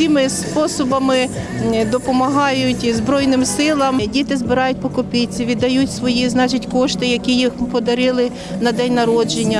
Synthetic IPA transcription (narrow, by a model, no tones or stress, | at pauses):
sʲimɪspɔsɔbɐmɪ | d̪ɔpɔmɐɦɑjʊtʲzbɾɔjnɪmsɪlˠɐmdʲit̪ɪzbɪɾɑjʊt̚ʲpɔkɔpʲit͡sʲːiʋʲid̪ːɐjutʲsʋɔjiznɑt͡ʃitʲkɔʃt̪ɪjɐkʲijixpɔd̪ɐɾɪlˠɪ | nɐd̪ɛnʲnɐɾɔd͡ʒenʲːɐ